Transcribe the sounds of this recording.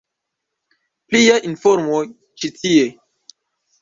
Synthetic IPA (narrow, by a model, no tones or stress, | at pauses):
pliaʔinfoɾmo | t͡ʃitie